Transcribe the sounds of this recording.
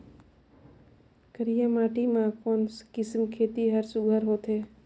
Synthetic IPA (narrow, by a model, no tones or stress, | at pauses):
kəɾijãmaːʈimãkoːnskɪsmkʰeːt̪iɦəɾsʊɡʱəɾɦoːt̪ɦeː